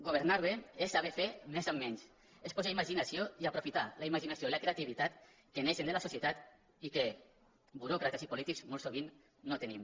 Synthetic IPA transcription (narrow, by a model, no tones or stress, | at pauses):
ɡoβ̞eɾnaɾβeesaβefemezamːɛɲs | espozaimaʒinasioiapɾofit̪alaimaʒinasjoilakɾeat̪iβ̞it̪at̪ | keneʃend̪elasosjet̪at̪ | ike | buɾɔkɾat̪esipulit̪ikz̥molˠsoβinː | ot̪enim